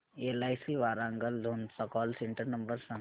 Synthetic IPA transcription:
elaːjsiʋaːɾãːŋɡəld̪ʱoːnsɐkɔːlsẽɳʈəɾnɐmbəɾsã

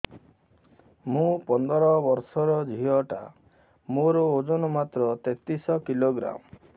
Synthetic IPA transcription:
mũpɔnd̪ɔɾɔbɔɾsɔɾɔd͡ʒʱiɔʈa̰ | moɾɔod͡ʒonɔmat̪ɾɔt̪et̪isɔkiloɡɾa̰m

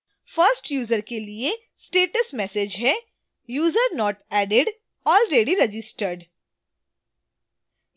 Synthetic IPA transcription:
fəɾsʈjuːzəɾkelie | sʈeːʈəsmɛːsed͡ʒɦɛ | juːzəɾnɔːʈɛːɖeɖ | ɔːlɾeːɖiɾɐd͡ʒɪsʈəɾɖ

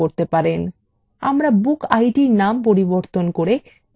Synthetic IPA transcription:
oɾt̪epaɾen | a̰mɾabukajʈiɾnampoɾiboɾt̪onkoɾe

